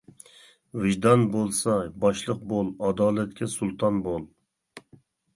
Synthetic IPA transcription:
vɪʒd̪ɑnbolˠsɑbɑʃlˠəq̚bolˠɑd̪ɑːlɛt̪kʲɛsulˠt̪ʰɑnbolˠ

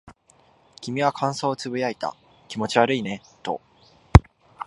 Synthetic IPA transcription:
kʲimʲiβakʰãɰ̃so̞ːt͡sɨbɯ̟jait̪a̰ | kʲimo̞t͡ɕiβaɾɯ̟ine̞t̪o̞̰

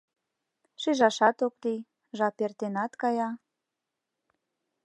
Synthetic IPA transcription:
ʃiʒɑʃɑt̪okli | ʒɑpert̪enɑt̪kɑjɑ

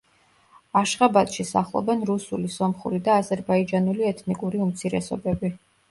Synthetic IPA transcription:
aʃχabat̪ʃisa̰χlˠɔ̰bɛnɾusulisɔmχṵɾid̪aːzɛɾbaid͡ʒanuliɛt̪ʰnikʼuɾiumt̪sʰiɾɛ̰sɔ̰bɛbi

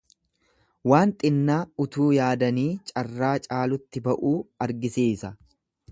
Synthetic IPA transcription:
waːnt̪ʼɪnːaːʊt̪uːjaːd̪ɐniːt͡ʃʼɐrːaːt͡ʃʼaːlʊt̪ːɪbɐʔuːɐɾɡɪseːsɐ

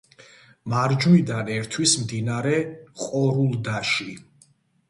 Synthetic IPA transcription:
maɾd͡ʒid̪anɛɾt̪ʰwismd̪inaɾɛqʼɔɾulˠd̪aʃi

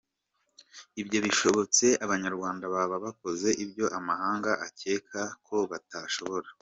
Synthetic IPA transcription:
ibɟo̞βiʃo̞βo̞t͡se̞ʔaβaɲaɾɡwaːndaβaβaβako̞ze̞ʔibjo̞ʔamaɦaːŋɡaʔace̞ːkʰakʰo̞βataʃo̞βo̞ɾa

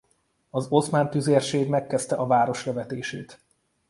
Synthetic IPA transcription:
ɒzo̞smaːnt̪yzeːrʃeːɡmɛkːɛst̪ɛʔɒvaːɾo̞ʃlɛvɛt̪eːʃeːt̪

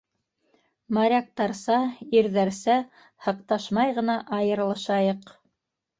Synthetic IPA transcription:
mɑɾʲɑk̚t̪ɑɾsɑiɾðæɾsæ | hɤ̆qt̪ɑʃmɑjʁɤ̆nɑʔɑjɤ̆ɾ̆lˠɤ̆ʃɑjɤq

